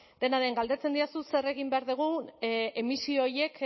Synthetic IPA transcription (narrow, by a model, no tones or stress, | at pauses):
d̪e̞naðeŋɡald̪e̞t͡se̞nd̪iasuse̞re̞ɣimbe̞aɾðuɣ̞uemisioje̞k